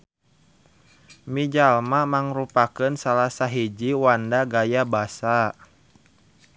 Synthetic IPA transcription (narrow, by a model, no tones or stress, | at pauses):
mid͡ʒalmamaŋɾupakənsalasaɦid͡ʒiwandaɡajabasa